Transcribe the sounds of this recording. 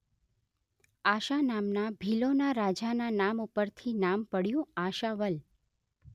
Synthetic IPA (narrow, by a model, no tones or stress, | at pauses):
aʃanamnabʱilonaɾad͡ʒananamupəɾt̪ʰinampəɽjũaʃaʋəl